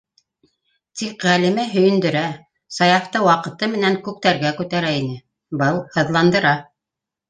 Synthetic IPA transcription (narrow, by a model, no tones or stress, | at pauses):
t̪ikʁælĭmæɦɵ̆jɵ̆nd̪ɵ̆ɾæ | sɑjɑft̪ɤwɑqɤ̆t̪ɤmɘ̆næŋkʉk̚t̪æɾɡækʉt̪æɾæinɘ | bɤlˠhɤ̆ðlˠɑnd̪ɤ̆ɾɑ